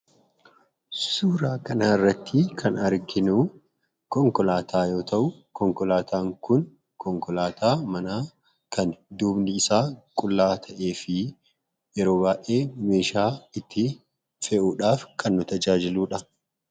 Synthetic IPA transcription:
suːɾaːkɐnaːɪrːɐt̪ːɪkʰɐnɐɾɡɪnuː | kɔŋkɔlaːt̪ʰaːjo̞ːt̪ɐʔʊkɔŋkɔlaːt̪ʰaːŋkʊn | kʰɔŋkɔlaːt̪ʰaːmɐnaː | kʰɐnd̪uːbnɪːsaːkʼʊlːaːt̪ʰɐʔe̞ːfɪ | jɛɾo̞ːbaːʔe̞ːme̞ːʃaːɪt̪ʰːɪ | fɛʔuːᶑaːfkʰɐnːʊt̪ɐd͡ʒaːd͡ʒɪluːᶑɐ

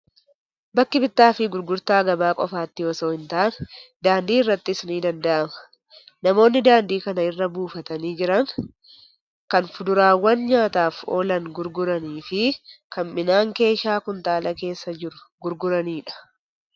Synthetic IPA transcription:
bɐkːɪbɪt̪ːaːfɪɡʊɾɡʊɾt̪aːɡɐbaːkʼɔfaːt̪ːɪɔsoːhɪnt̪aːnɛ̥d̪aːnd̪iːɪrːɐt̪ːɪsɪniːd̪ɐnd̪ɐʔɐmɐ̥ | nɐmo̞ːnːɪd̪aːnd̪iːkɐnɐɪrːɐbuːfɐt̪ɐniːd͡ʒɪɾɐŋ | kɐnfʊd̪ʊɾaːwːɐnɲaːt̪aːfo̞ːlɐŋɡʊɾɡʊɾɐniːfɪkɐmmɪnaːŋke̞ːʃaːkʊnt̪aːlɐke̞ːsːɐd͡ʒɪɾʊ̥ɡʊɾɡʊɾɐniːᶑɐ̥

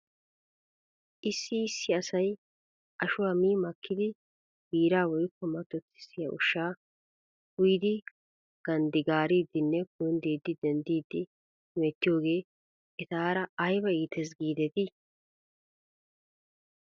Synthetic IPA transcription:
ʔɪsːɪːsːɪɐsɐj | ʔɐʃʊwɐmiːmɐkːɪd̪ɪ | biːɾaːwɔjkːɔmɐt̪ːɔt̪ːɪ̥sɪjɐ̰ʔʊ̰ʃːaː | ʊjd̪ɪ | ɡ̥ɐnd̪ɪɡaːɾiːd̪ɪnːɛkʊjɪnd̪iːd̪ːɪd̪ɛnd̪iːd̪ːɪ | meːt̪ːɪjo̞ːɡe̞ː | ɛt̪aːɾɐɐjbɐiːt̪ɛs̬ɡiːd̪ɛt̪ɪ

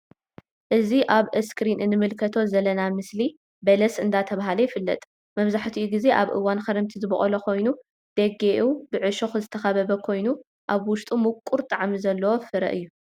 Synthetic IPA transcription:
ʔɨziʔaβɨskʰɾinɨnɨmɨlkʰɐt̪ʰo̞zɐlːɐnamɨsli | bɐlɐsʔɨnd̪at̪ʰɐβaɦalɐjɪfɨlːɐ̰t̪ʼ | mɐβzaħt̪ʰiʔuɡize̞ʔaβʔɨ̰wanxɐɾɐmt̪ʰizɨbɐχʼɐlɐkʰo̞jnu | d̪̥ɐɡeʔubɨʕɨʃoxɨzɨt̪ʰɐxɐβɐβɐkʰo̞jnu | ʔaβwʊʃt̪ʼumukʼːuɾt̪ʼaʕmizɐlːɐwo̞fɨɾɐ̰ʔɨjːu

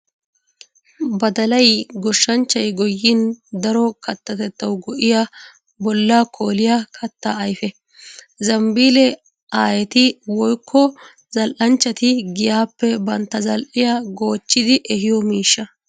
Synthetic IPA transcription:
bɐd̪ɐlɐjɡɔʃːɐnt͡ʃːɐjɡɔjːɪnd̪ɐɾɔkɐt̪ːɐt̪ɛt̪ːɐwɡɔʔɪja | bɔlːakʰo̞ːlɪjɐkʰɐt̪ːaːjfɛ | zɐmbiːlɛ | aːjɛt̪ɪwɔjkʰːɔ | zɐlʔɐnt͡ʃːɐt̪ɪɡɪjaːpːɛbɐnt̪ːɐzɐlʔɪjaɡo̞ːt͡ʃːɪd̪ɪʔɛhɪjɔmiːʃːɐ

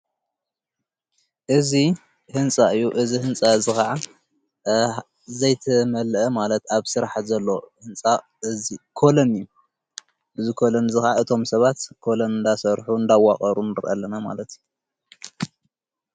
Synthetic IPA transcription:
ʔɨzi | hɨnt͡sʼaɨjːuʔɨzihɨnt͡sʼazɨxaʕa | zɐjt̪ʰɐmɐlʔɐmalɐt̪aβsɨɾaħzɐlːohɨnt͡sʼa | ɨzikʰo̞lonɨjːu | bɨzɨkʰo̞lonzɨxaʕaɨt̪ʰo̞msɐβat̪kʰo̞lonɨnd̪asɐɾħuɨnd̪awaχʼɐɾunɨɾʔɐ̰lːɐnama̰lɐt̪u

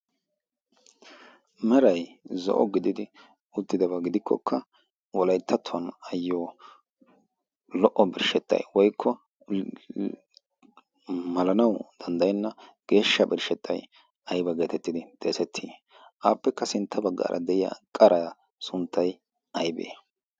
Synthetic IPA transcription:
mɛɾɐjzɔ̰ʔɔ̰ɡɪd̪ɪd̪ɪ | ʊt̪ːɪd̪ɐbɐɡɪd̪ɪkʰːɔkʰːɐ | wɔlɐjt̪ʰːɐt̪ʰːʊɐnɐjːoː | lɔʔɔbɪɾʃɛt̪ːɐ̰jwɔjkʰːɔ | mɐlɐnɐwd̪̥ɐnd̪ɐjnːɐɡ̥e̞ːʃːɐbɪɾʃɛt̪ːɐj | ɐjbɐɡe̞ːt̪ɛt̪ːɪd̪ɪd̪̥eːsɛt̪ʰːiː | ʔaːpːɛkːɐsɪnt̪ʰːɐbɐɡːa̰ːɾʔɐ̰d̪ɛʔɪja̰kʼɐɾʔɐ | sʊnt̪ːɐj | ɐjbḛː

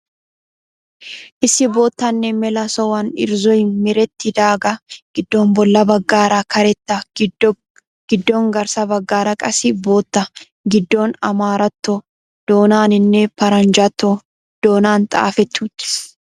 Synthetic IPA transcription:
ʔɪsɪboːt̪ːɐnːɛmɛlɐsɔwɐnɪ̰ɾzɔɪmɪɾɛt̪ːɪd̪aːɡɐɡ̥ɪd̪ːo̞ːmbɔlːɐbɐɡːaːɾakʰɐɾɛt̪ːɐ | ɡ̥ɪd̪ːoːŋɡɐɾsɐbɐɡːaːɾɐkʼɐsɪboːt̪ːɐ | ɡɪd̪ːo̞ːnɐmaːɾɐt̪ːo | d̪̥oːnaːnɪnːɛpɐɾɐnd͡ʒɐt̪ːo | d̪̥o̞ːnaːnt̪ʼa̰ːfɛt̪ːuːt̪ɪ̥

